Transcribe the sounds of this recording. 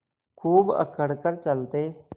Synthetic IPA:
kʰuːbə̰kəɽkəɾt͡ʃəlt̪eː

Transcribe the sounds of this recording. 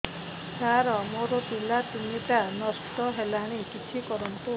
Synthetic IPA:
saɾɔmoɾɔpilat̪iniʈanɔsʈɔɦelaɽ̃ikit͡ʃʰikɔɾɔnt̪u

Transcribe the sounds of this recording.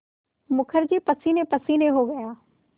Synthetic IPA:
mʊkʰəɾd͡ʑepəsiːnepəsinẽɦoɡɐjaː

